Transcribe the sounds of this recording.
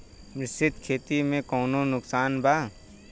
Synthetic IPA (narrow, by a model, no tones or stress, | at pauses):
mɾɪsɪt̪kʰeːt̪imẽkɔːnõnʊksaːnbʱaː